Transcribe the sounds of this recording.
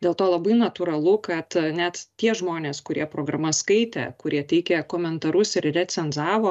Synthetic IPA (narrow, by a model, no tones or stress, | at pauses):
dʲeːlˠt̪oːlˠɐbɐɪnɐt̪ʊɾɐlˠʊkɐt̪nʲæt̪tʲiɛʒmoːnʲeːskʊɾʲiɛpɾoːɡɾɐmɐskɐɪt̪ʲɛ̰kʊɾʲiɛt̪ʲɛɪkʲɛkoːmʲɛnt̪ɐɾʊsɪɾrʲɛt͡ssʲɛnzɑːʋoː